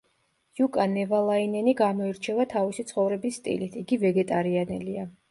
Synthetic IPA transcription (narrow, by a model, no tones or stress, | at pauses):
jukʼanɛvalˠainɛniɡamɔiɾt͡ʃʰɛvat̪ʰavisit̪sʰχɔvɾɛbisːt̪ʼḭlit̪ʰiɡivɛɡɛt̪ʼaɾianɛlia